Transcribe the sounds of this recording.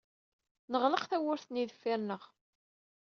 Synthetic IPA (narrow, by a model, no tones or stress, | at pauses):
nəʁləqθæwʊɾθniðəfːæɾnəʁ